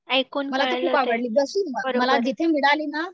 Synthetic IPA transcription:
aikonməlat̪okʰuːpaɡəɽlid̪əsiːmaəɾməlad͡ʑit̪ʰemiɽalina

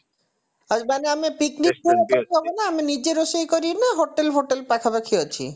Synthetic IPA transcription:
amaneamepiknik̚ːuɽɔkɔɾt̪ɔbɔnaːmenid͡ʒeɾosejkɔɾinaɦoʈelɦoʈelpakʰabakʰiɔt͡ʃʰḭ

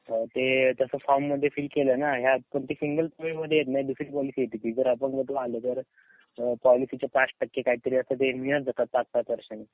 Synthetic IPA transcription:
ət̪et̪əsəːfɔɾmːəd̪ʱːjefiːlkelənaɦjapəɳt̪isiŋɡəlpɾəmeməd̪ʱːjejet̪naid̪usɾiːpɔlisiːjet̪ik̪iːd͡zəɾəpəɳɡət̪ʰoalət̪əɾ | pɔlisit͡ɕjapasʈəkːekaɦiːt̪əɾiːəst̪ət̪̬emiəɾd͡zat̪at̪pak̚t̪at̪əɾɕən

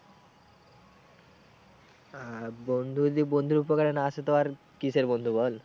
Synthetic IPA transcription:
abond̪ʱud̪ibond̪ʱuɾupɔkaɽenaːset̪ɔʋaɾ | kiseɾbond̪ʱubɔl

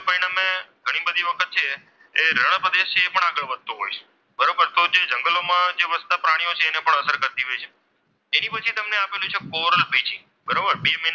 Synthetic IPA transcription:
pəɾiɽ̃ameɡʱəɽ̃ibəd̪ʱiʋəkʰət̪̚t͡ʃʰe | eɾəɽ̃pɾəd̪eʃt͡ʃʰeːpəɳ̃aɡəɭʋəd̪̚ʱt̪oɦojt͡ʃʰe̥ | bəɾobəɾt̪od͡ʒed͡ʒəŋɡəlomãd͡ʒeʋəst̪apɾaɽ̃ijot͡ʃʰeːnepəɳəsəɾkəɾt̪iɦojt͡ʃʰe | enipət͡ʃʰit̪əmneapelũt͡ʃʰekoɾəlpit͡ʃʰi | bəɾobəɾbemə

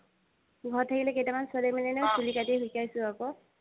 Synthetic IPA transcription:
ɡʱɔtʰːakilɛkejtamansɔlemɛnɛnesulikateɦujkajsʊ̃akɔ

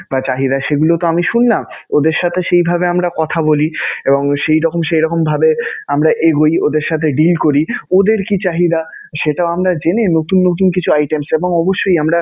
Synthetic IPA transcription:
bat͡ɕaɦid̪aʃeɡulot̪oamiʃunlamod̪eɾʃat̪ʰeʃejbʱabeamɾakɔt̪ʰabolieboŋʃejɾɔkomʃejɾɔkombʱabeamɾaʔeɡojod̪eɾʃat̪ʰeɖilkoɾiod̪eɾkit͡ɕaɦid̪a | ʃeʈaoamɾad͡ʑenenot̪unːot̪̬unkit͡ɕʰuajʈemseboŋɔboʃːojamɾa

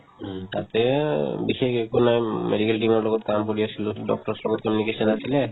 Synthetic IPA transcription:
t̪at̪ebixekekonamḛɖikelʈimɔɾlɔɡɔt̪kamkoɾijasʰiloɖɔk̚ʈɔɾslɔɡɔt̪̚kɔmjunikesɔnasʰile

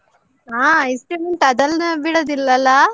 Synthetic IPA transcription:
aːɐjsʈumeɳʈɐd̪ɐlnɐʋiːɽɐd̪ilːɐlːɐ

